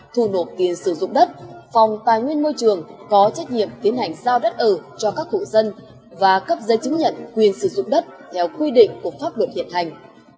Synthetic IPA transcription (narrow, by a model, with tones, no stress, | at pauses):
t̪ʰu˧˩no˨˩t̚t̪i˨˩ənsɨ˧˩zʊ̰˧˨ŋ͡mɗə˦˥t̚fa˨˩wŋ͡mt̪aː˨˩jŋwi˧ənmo˧jt͡ɕɨ˨˩əŋkɔ˨˦t͡ɕa˦˥k̚ɲḭ˧˨əmt̪i˨˦ənha˨˩jŋ̟zaː˧wɗə˦˥t̚ʔəː˧˩t͡ɕɔ˧kaː˦˥k̚kṵ˧˨˩zə˧n | vaː˨˩kə˦˥p̚zə˨˧˦jt͡ɕɨ˨˦ŋɲə̰˧˨nkwi˨˩ənsɨ˧˩zʊ̰˧˨ŋ͡mɗə˦˥t̚t̪ʰɛ˧wkwi˧ɗḭ̈˧˨ŋ̟ku˧˩əfaː˦˥p̚lə˨˩t̚hḭ˧˨ənha˨˩jŋ̟